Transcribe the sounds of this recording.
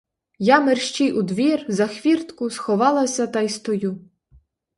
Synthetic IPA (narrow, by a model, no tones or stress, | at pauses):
jamerʃt͡ʃiʔud̪ʋʲirzɐxʋʲirt̪kʊsxɔʋɑlˠɐsʲɐt̪ɐjst̪ɔju